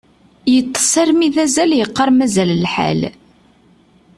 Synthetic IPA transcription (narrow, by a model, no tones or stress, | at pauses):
jət̪ˤːə̥sˤɑɾmiðæzæljəqːəɾˤmæzællħæ̰l